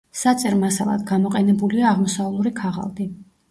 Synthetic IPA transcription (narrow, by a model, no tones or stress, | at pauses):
sat̪sʼɛɾmasalˠa̰d̪ɡamɔqʼɛnɛbuliaːʁmɔsaulˠuɾikʰaʁa̰lˠd̪i